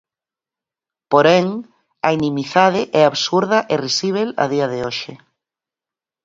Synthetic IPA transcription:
poɾeŋ | ɐinĩmiθað̞ɪʔɛaβsuɾðɐʔerisiβ̞ela̰ðiaðeoʃɪ

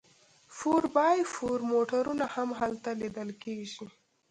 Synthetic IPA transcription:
fuɾbɑjfuɾmoʈaɾunahamɦalt̪alid̪əlkeʒi

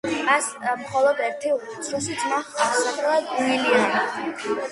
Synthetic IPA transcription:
asmχɔlˠɔd̪ɛɾt̪ʰiu | sʰɾusit̪sʰmaχaɾsakʰʼɾɛlˠad̪unilia

